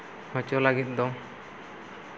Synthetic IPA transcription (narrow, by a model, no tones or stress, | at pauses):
hɔ̃t͡ʃɔlaɡit̪̚d̪ɔ